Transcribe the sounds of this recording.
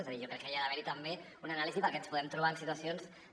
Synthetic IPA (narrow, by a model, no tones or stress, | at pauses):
ezaðiʒokɾɛkːəjiaðəβɛɾit̪əmbe | unanalizipəɾkɛnspuðɛmt̪ɾuβaənsit̪uasionz